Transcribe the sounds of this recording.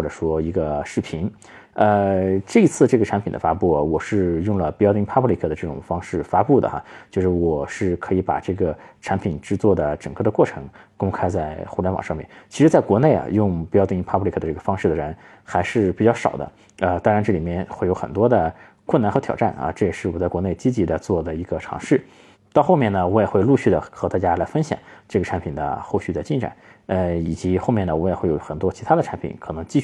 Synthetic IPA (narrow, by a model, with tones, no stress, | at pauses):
ɔ˩ʈ͡ʂɤ˨˩ʂwɔ˥i˧˥ɡə˧ʂɻ̩˥˩pʰi˧˥n | ə˧ʈ͡ʂɤ˥˩i˧˥t͡sʰɹ̩˥˩ʈ͡ʂɤ˥˩ɡə˩ʈ͡ʂʰa˧˥npʰi˨˩nd̪ə˦fa˥pu˥˩wɔ˨˩ʂɻ̩˥˧jʊ˥˩ŋlə˩pi˧˥jɑ˥˧t̪i˥pʰa˥pʰli˥kʰɤ˥˩ə˩ʈ͡ʂɤ˥˩ʈ͡ʂʊ̰˨˩ŋfɑ˥ŋʂɻ̩˥˩fa˥pu˥˩d̪ə̰˩xɐ̰˩t͡ɕjo˥˧ʊʂɻ̩˥˩wɔ˨˩ʂɻ̩˥˩kʰɤ˧˥i˧˥pa̰˨˩ʈ͡ʂɤ˥˩ɡə˩ʈ͡ʂʰa˧˥npʰi˨˩nʈ͡ʂɻ̩˥˧t͡swɔ˥˩d̪ə˩ʈ͡ʂɤ˨˩ŋkɤ˥˩d̪ə˧kwɔ˥˩ʈ͡ʂʰɤ˧˥ŋkʊ˥ŋkʰa˥ɪt͡sa˥˩ɪxu˥˩la˧˥nw̰ŋʂɑ˥˧mjɛ̰˥˩nt͡ɕʰi˧˥ʂɻ̩˧˥t͡sa˥˩kwɔ˧˥ne˥˩ɪɐ̰˨˩jʊ˥˩˧ŋpi˧˥jɑ˥˧t̪i˥˧˥pʰa˥pʰli˧˩k̪ʰə˧ʈ͡ʂɤ˥˩ɡə˩fɑ˥ŋʂɻ̩˥˩d̪ə˩ɻə˧˥n | xa˧˥ɪʂɻ̩˥˧pi˨˩t͡ɕjɑ˥˩ʊʂɑ̰˨˩ʊd̪ə̰˦ | ə˧t̪ɑ˥ŋɻa˧˥nʈ͡ʂɤ˥˩li˨˩mjɛ˥˧nxwe˥˩ɪjo˧˥ʊxə̰˨˩nt̪wɔ˥d̪ə˨ | kʰwə˥˩na˧˥nxɤ˧˥t̪ʰjɑ˨˩ʊʈ͡ʂa˥˩nɐ̰˧ʈ͡ʂɤ˥˩jɛ˨˩ʂɻ̩˥˩wɔ˨˩t͡sa˥˩ɪkwɔ˧˥ne˥˩ɪt͡ɕi˥t͡ɕi˧˥d̪ə˧t͡swɔ˥˩d̪ə˩i˧˥ɡə˧ʈ͡ʂʰɑ̰˧˥ŋʂɻ̩˥˩ | t̪ɑ˥˧ʊxo˥˧mjɛ˥˩nnə˩wɔ˧˥jɛ˨˩xwe˥˧ɪlu˥˧ɕy˥˩d̪ə̰˩xɤ˧˥t̪a˥˩t͡ɕja˥la˧˥ɪfə˥nɕjɑ̰˨˩˦ŋʈ͡ʂɤ˥˩ɡə˩ʈ͡ʂʰa˧˥npʰi˨˩nd̪ə̰˦xo˥˧ʊɕy˥˩d̪ə˩t͡ɕi˥˩nʈ͡ʂa̰˨˩˦nə˧i˨˩t͡ɕi˧˥xo˥˧ʊmjɛ˥˩nə˩wɔ˧˥jɛ˨˩xwe˥˩jo̰˨˧˩ʊxə˨˩nt̪wɔ˥t͡ɕʰi˧˥t̪ʰa˥d̪ə˨ʈ͡ʂʰa˧˥npʰḭ˨˩˦nkʰɤ˨˩nɤ˧˥ŋt͡ɕi˥˧ɕ